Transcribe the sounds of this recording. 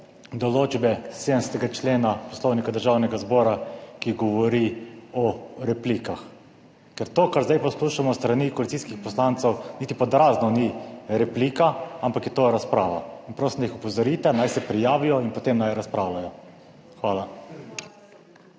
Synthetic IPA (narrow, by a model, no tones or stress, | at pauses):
d̪ɔloːd͡ʒbɛsed̪ənsɛt̪ɛɡat͡ʃleːnapɔ̥slɔwnikad̪əɾʒaːwnɛɡazbɔːɾakiɡɔʋɔɾiɔɾɛpliːkax | kɛɾt̪oːkaɾzd̪ajpɔsluːʃamɔst̪ɾanikɔlit̪siːskixpɔslant̪sɛwnit̪ipɔd̪ɾaːznɔniɾɛpliːkaampakjɛt̪oɾaspɾaːʋainpɾoːsimnjixupɔzɔɾiːt̪ɛnajsɛpɾijaːʋijɔinpɔt̪emnajɾaspɾaːwlajɔ | xʋaːla